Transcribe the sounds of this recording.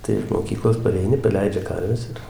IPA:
tɐɪ ɪʃ moːˈkʲiːklˠoːs pɐrʲɛɪˈnʲɪ pɐˈlʲɛɪd͡ʒʲɛ ˈkɐrʲʋʲɛs ɪr

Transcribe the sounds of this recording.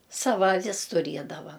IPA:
ˈsɑːʋɐ ɐˈʋʲɪs tʊˈrʲiɛdɐʋɐ

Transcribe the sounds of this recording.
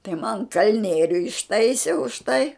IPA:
tɐɪ mɐn ˈkɐlʲnʲiɛrʲʊ ɪʃˈtɐɪsʲeː ʊʃ tɐɪ

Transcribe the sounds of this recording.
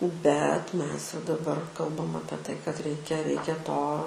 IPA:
bʲɛt ˈmʲɛs jɛʊ dɐˈbɐr ˈkɐlˠbɐm ˈɑːpʲiɛ ˈtɐɪ kɐt ˈrʲɛɪkʲɛ ˈrʲɛɪkʲɛ ˈtoː

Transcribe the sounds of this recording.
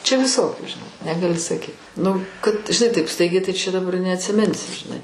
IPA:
t͡ʃʲɛ ʋʲɪˈsoːkʲuː ʒʲɪˈnɐɪ nʲɛɡɐˈlʲɪ sɐˈkʲiːt ˈnʊ kɐt ʒʲɪˈnɐɪ tɐɪp ˈstɐɪɡʲɛɪ tɐɪ t͡ʃʲɛ dɐˈbɐr nʲɛɐtʲsʲɪˈmʲɪnʲsʲɪ ʒʲɪˈnɐɪ

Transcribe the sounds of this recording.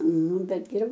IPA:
ˈnʊ ˈbʲɛt ɡʲɛˈrʲɛʊ

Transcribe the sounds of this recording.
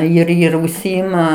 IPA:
ɪr ɪr ʊʃʲˈsʲiːɪmɐ

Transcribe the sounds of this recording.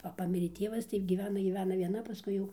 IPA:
ˈʋɐ ˈpɑːmʲɪrʲeː ˈtʲiɛʋɐs tɐɪ ɡʲiːˈʋʲæːnɐ ɡʲiːˈʋʲæːnɐ ʋʲiɛˈnɐ pɐˈskʊɪ jɛʊ

